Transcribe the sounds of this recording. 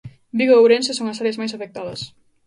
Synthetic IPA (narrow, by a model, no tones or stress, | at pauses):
biɣoːwɾensesoŋɐsaɾjɐzmajsafek̚t̪aðɐs